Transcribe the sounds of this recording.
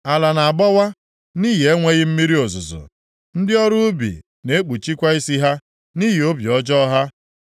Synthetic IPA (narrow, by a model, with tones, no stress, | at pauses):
a˨la˨na˨a˨bɔ˦wa˦ | ni˦ɦi˨e˦ŋʷe˦ɣɪ˦m̩˦mi˦ɾi˦o˨zʊ˨zʊ̰˨ | n̩˦dɪ˦ɔ˦ɾʊ˦ʊ˦bḭ˨ | ne˦e˦k͡pu˨t͡ʃi˦kʷa˦i˦si˦ɦa˦ | ni˦ɦi˨o˦bjɔ˦d͡ʒɔ˦ɦa˦